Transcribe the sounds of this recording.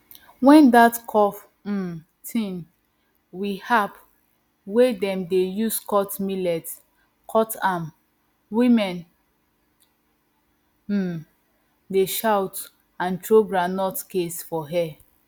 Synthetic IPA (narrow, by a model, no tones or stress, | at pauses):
wɛ̃ndatkʰɔf̩ | tʰĩn | wihap | wedɛ̃mdejuskʰɔtmilɛt | kʰɔtãm | wĩmɛ̃n | deʃawt | ãntɹoɡɹanɔtkesfɔɦɛ